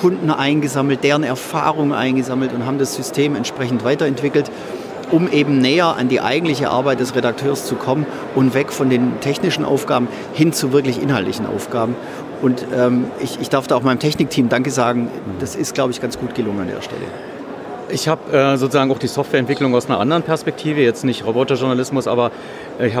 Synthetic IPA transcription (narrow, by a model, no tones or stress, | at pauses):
kʰʊndn̩ʔaɪnɡəzaml̩t̚d̥eːʁənɛɐfa̰ːʁʊŋənʔa̰ɪnɡəzaml̩tʊntɦaːbm̩dasz̥ʏstʰeːmɛntʃpʁ̥ɛçn̩tv̥aɪtɐɛntv̥ɪkl̩t | ʔʊmʔeːbm̩nɛːɐʔa̰ndiːʔa̰ɪɡŋ̩tlɪçə̰ʔa̰ɐbaɪt̚d̥ɛsʁedak̚tʰøːɐst͡sukʰɔmən | ʔʊntv̥ɛkfɔndeːntʰɛçnɪʃn̩ʔa̰ʊfɡ̥aːbm̩ | hɪnt͡suvɪɐklɪçʔɪ̰nhɦaltlɪçn̩ʔa̰ʊfɡ̥aːbm̩ | ʔʊntʔɛːmɪçɪçd̥aɐfd̥aːʊxmaɪnəmtʰɛçnɪk̚tʰiːmdaŋkəzaːɡŋ̩d̥asɪstɡ̥laʊbəɪçɡ̥ant͡sɡ̥uːt̚ɡ̥əlʊŋənandḛːɐʃtɛ̰lʔə̰ | ʔɪçhaːbʔɛːzoːt͡suzaːɡŋ̩aʊxd̥iːsɔftv̥ɛːɐɛntv̥ɪklʊŋaʊsnɐʔa̰ndəʁənpʰɛɐspɛk̚tʰiːvəjɛt͡stnɪçtʁobɔtaʒʊɐnalɪsmʊsʔa̰ːbɐ | ɪça